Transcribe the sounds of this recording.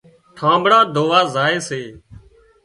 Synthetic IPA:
ʈʰãːmbɽaːd̪ʱoːʋaːzaːeːseː

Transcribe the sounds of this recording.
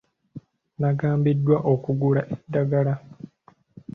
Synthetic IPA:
naɡaːmbidːwaʔo̞kuɡulaʔedːaɡala

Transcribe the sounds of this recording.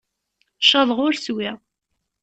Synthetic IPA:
ʃɑðˤʁʊɾswɪʁ

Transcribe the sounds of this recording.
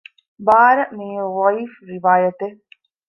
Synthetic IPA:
baːɾɐmiːeʋɐifɾiʋaːjɐt̪e

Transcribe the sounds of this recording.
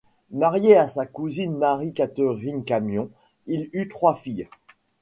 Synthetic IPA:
maʁjeasakuzinmaʁikat̪øʁinkamjɔ̃ | ilyt̪χwafij

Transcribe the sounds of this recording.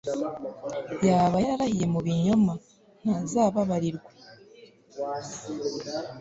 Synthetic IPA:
jaːβajaɾahije̞muβiɲo̞ma | n̥azaːβaβaɾiɾɡwa

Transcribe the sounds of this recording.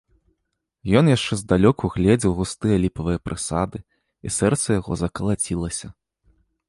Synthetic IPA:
jɔnjaʂt͡ʂɛzd̪alʲɔkuɣlʲɛd͡zʲiwɣust̪ɨjɐlʲipɐvɨjɐpɾʔɨsad̪ɨ | isɛrt̪sɐjaɣɔ̰zɐkɐlˠat͡sʲilˠɐsʲɐ

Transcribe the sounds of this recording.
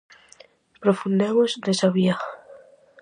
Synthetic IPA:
pɾofund̪emozd̪esaβia

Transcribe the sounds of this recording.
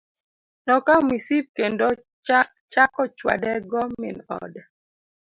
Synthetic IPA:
nɔkamisip̚kendo | t͡ʃakɔt͡ʃwa̰dɛɡɔmɪnɔ̰d

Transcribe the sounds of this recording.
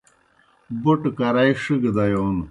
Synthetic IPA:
buʈkɐɾaiʂiɡd̪ɐjon

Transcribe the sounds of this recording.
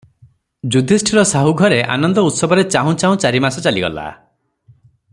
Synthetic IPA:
d͡ʒud̪ʱisʈʰiɾɔsaɦuɡʱɔɾeʔa̰nɔnd̪ɔut̪sɔbʱɔɾet͡ʃaɦũt͡ʃaũt͡ʃaɾimasɔt͡ʃaliɡɔ̰la̰

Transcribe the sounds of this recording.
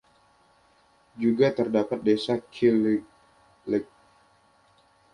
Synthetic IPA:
d͡ʒuɡat̪ərdapat̪̚desakʰil | lɛk̚

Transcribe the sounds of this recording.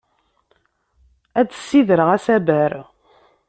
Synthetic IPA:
æd̪əsːiðəɾəʁæsæbæɾ

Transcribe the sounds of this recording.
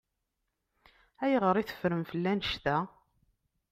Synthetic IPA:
æjʁəɾˤiθə̥fɾəmfəlːænəʃt̪æ

